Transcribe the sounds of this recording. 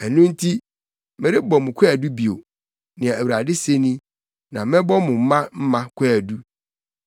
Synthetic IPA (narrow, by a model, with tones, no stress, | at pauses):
æ˨nũ˦n̩˦tʰi˦ | me˨ɾɪ˦bɔ˨mʊ̃˨kʷʰɛ˦æ˨du˦bi˨o̰˨ | nɪ̃˨ã˨æ˨wu˨ɾa˨dɪ˦se˦nĩ˦ | nã˨mɛ̃˦bɔ˦mʊ̃˨m̩˦mã˦m̩˦mã˦kʷʰɛ˦æ˨du˦